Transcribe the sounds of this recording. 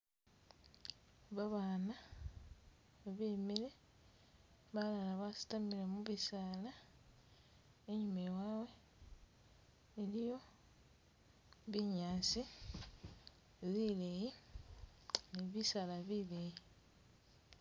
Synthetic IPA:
βaβaːna | βimile̞ | βalalaβasi̥tamilemuβisaːla | eɲumewawe̞ | lijo̞ | βiɲaːsi | βileji | neβisalaβileji

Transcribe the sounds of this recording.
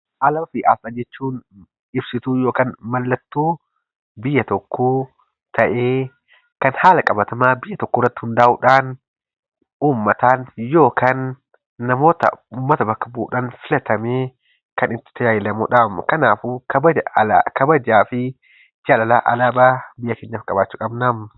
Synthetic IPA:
ʔɐlɐbɐfɪːʔaːsɐd͡ʒɛt͡ʃːuːn | ɪb̥sɪt̪uːjo̞ːkanmɐlːɐt̪ːuː | bɪjːɐt̪ɔkːoː | t̪ʰɐʔeː | kɐnhaːlɐkʼɐbɐt̪ɐmaːbɪjːɐt̪ɔkːoːrːɐt̪ːɪhʊnd̪aːʔʊᶑaːn | uːmːɐt̪aːnjo̞ːkaːnː | ɐmo̞ːt̪ɐ̰ʊmːɐt̪ɐbɐkːɐ̥buːᶑɐnfɪlɐt̪ɐmeː | kɐnɪt̪ːɪ̥t̪ːɐjaːjɪlɐmuːᶑaːbɐmːɐkɐnaːfukɐɐkɐbɐd͡ʒaːfɪ | d͡ʒɐlɐlaːʔɐlaːbaːbɪjːɐkeːɲːaːfkʼɐbaːt͡ʃːʊkʼɐbnaːmːɐ

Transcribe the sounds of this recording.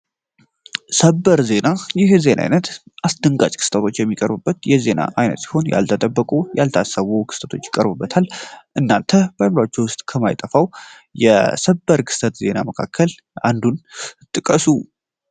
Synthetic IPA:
səbːəɾze̞najɪhze̞nʔa̰jnət̪ʔasd̪ɨŋɡa̰t͡ʃʼkʰɨ̥t̪ʰʼət̪ʰo̞t͡ʃːjɛmːikʼəɾβbɨbːət̪jɛze̞na̰ʔajnə̰t̪si̥ho̞nja̰lt̪ʰət̪ʼəbːəkʼujalt̪ʰasəβukʰɨ̥st̪ʰət̪ʰo̞t͡ʃːjɪ̥kʼəɾβɨbːət̪ʰalʔɨnːant̪ʰəb̥əβlat͡ʃːɛwʊst̪ʼkʰəmajt̪ʼəfaw | jɛsəbəɾkʰɨ̥st̪ʰət̪ze̞na̰məkʰakʰːəl | and̪unt̪ʼɨkʼəsu

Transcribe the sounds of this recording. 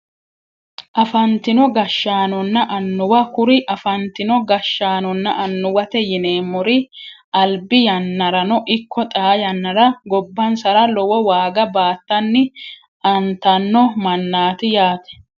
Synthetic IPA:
ʔɐfɐnt̪ɪnɔɡɐʃːaːnɔnːɐʔɐnːʊwɐkʊɾɪʔɐfɐnt̪ɪnɔɡɐʃːaːnɔnːɐ̰ʔɐnːʊwɐt̪ɛjɪneːmːɔɾɪ | ʔɐlbɪjɐnːɐɾɐnɔʔɪkːɔt̪ʼaːjɐnːɐɾɐɡɔbːɐnsɐɾɐlɔwɔwaːɡɐbaːt̪ːɐnːɪ | ʔɐnt̪ɐnːɔmɐnːaːt̪ɪjaːt̪ɛ̥

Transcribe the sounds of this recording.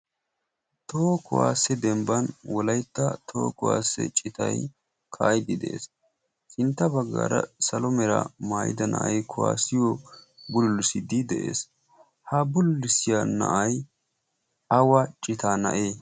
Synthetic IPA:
t̪oːkʊwaːsːɛd̪ɛmbɐnwɔlɐjt̪ːɐt̪ʰo̰ːkʊwa̰ːsːɛ̰t͡ʃʼɪt̪ɐ̰j | kʰaːjd̪ɪd̪ɛʔḛːs | sɪnt̪ːɐbɐɡːa̰ːɾɐ̰sɐlɔmɛɾɐ̰maːjɪ̰d̪ɐnɐ̰ʔɐ̰jkʰʊwa̰ːsɪjɔbʊlːɪsɪd̪id̪ɛʔeːs | hɐbʊlːɪsɪjanɐ̰ʔɐj | ɐwɐt͡ʃʼɪt̪aːnɐ̰ʔeː

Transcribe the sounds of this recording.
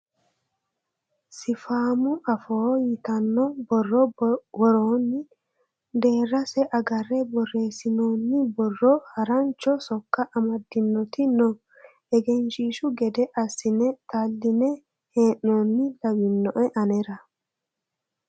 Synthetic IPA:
sɪfaːmʊʔɐfoːjɪt̪ɐnːɔbɔrːɔwɔɾoːnːɪ | d̪e̞ːrɐsɛʔɐɡɐrːɛbɔrːe̞ːsɪnoːnːɪbɔrːɔhɐɾɐnt͡ʃːɔsɔkːɐʔɐmɐd̪ɪnːɔt̪ɪnɔ | ɛɡɛnʃiːʃʊɡɛd̪ɛʔɐsːɪnɛt̪ɐlːɪnɛ | heːnːoːnːɪlɐwɪnːɔʔɛʔɐnɛɾɐ

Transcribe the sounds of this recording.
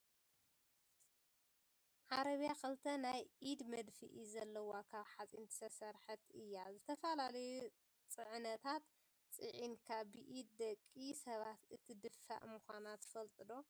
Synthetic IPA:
ʕaɾɐβjakɨlt̪ʰɐnajʔid̪mɐd̪fḭʔizɐlːɐwakʰaβħat͡sʼint̪ʰɨ̥sɐsɐɾħɐt̪ɨjːazɨt̪ʰɐfɐlalɐju | t͡sʼɨʕnɐt̪ʰat̪ | t͡sʼɨʕinkʰabɨʔid̪̚d̪ɐkʼːisɐβat̪ɨt̪ʰɨd̪ɨfːa̰ʔmɨxʷanat̪ːfɐlt̪ʼɨd̪o̞

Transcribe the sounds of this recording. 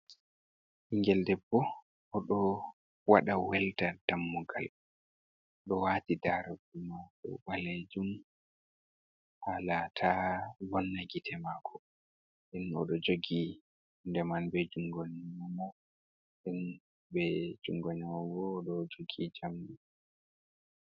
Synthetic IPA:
hiŋɡɛldɛbːɔ | ɔɗɔ | waɗawɛltad̥amːɔɡal | ɗɔwatidaɾaɡumaɗɔ̰ɓaled͡ʒum | halatʰawɔnːaɡitʰɛmakʰɔ | ɗɛnɔɗɔd͡ʒoɡi | ndɛmanbɛd͡ʒuŋɡɔɲamɔ | ɗɛn | bɛd͡ʒuŋɡɔɲawɔɡɔːɗɔd͡ʒoɡid͡ʒamdi

